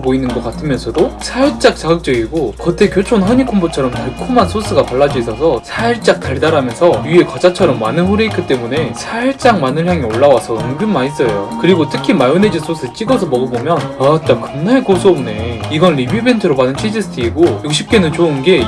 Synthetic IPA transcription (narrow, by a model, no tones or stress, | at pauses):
boinɯnɡʌk͈atʰɯmjʌnsʰʌdosʰaiɭt͡ɕ͈ak̚t͡ɕ͈aɡɯk̚t͡ɕ͈ʌɡiɡokɯt͈e̞kjot͡ɕʰonɦʌɲikʰombot͡ɕʰʌɾʌmteɭkʰumansʰos͈ɯɡapaɭːad͡ʑiisʰʌsʰʌsʰaiɭt͡ɕ͈ak̚taɭdaɾamjʌnsʰʌjye̞kʌd͡ʑat͡ɕʰʌɾʌmːanɯnɸoɾeikʰɯt͈e̞mune̞sʰaiɭt͡ɕ͈aŋmanɯnçjaŋioɭːawasʰʌɯnɡɯnmais͈ʌjo̰kɯɾiɡotʰɯkʰimajoned͡ʑinsʰos͈ʰɯt͡ɕ͈iɡʌs̬ʰʌmʌɡɯbomjʌnat͈akɯnnaɭkosʰomne̞iɡʌnɾibibe̞ntʰɯɾopadɯnt͡ɕʰid͡ʑisʰɯ̥tʰiːɡojuk̚ɕ̬͈ʰip̚k͈e̞nɯnt͡ɕoɯnɡe̞